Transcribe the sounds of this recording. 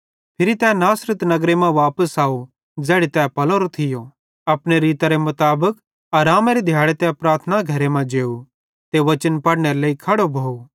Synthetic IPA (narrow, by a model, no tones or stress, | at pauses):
pʰɪɾit̪ɛːnaːsɾət̪nɐɡɾemãʋaːpəsaːu | d͡zɛːɽet̪ɛːpɐlõɾot̪ʰɪjo | ɐpɽ̃eɾiːt̪aɾemʊt̪aːbək | aːɾaːmaɾid̪ʱjaːɽet̪ɛpɾaːɾt̪ʰənaɡʱɐɾemãd͡ʒeːu | t̪eʋɐt͡ʃənpɐɽneɾeleːikʰɐɽobʱoːu